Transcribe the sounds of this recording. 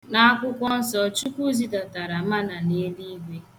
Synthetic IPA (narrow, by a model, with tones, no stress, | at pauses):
na˦a˦kʷʊ˦kʷɔ˦n̩˦sɔ˦t͡ʃu˦kʷu˦zi˦ta˨ta˨ɾa˨˦a˦na˨ne˦di˦i˦ɡʷe˦